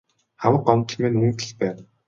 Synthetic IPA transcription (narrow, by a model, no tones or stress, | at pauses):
χawə̆qɔmt̪ɞ̆ɮmeːnmunt̪ɘ̆ɮpæːn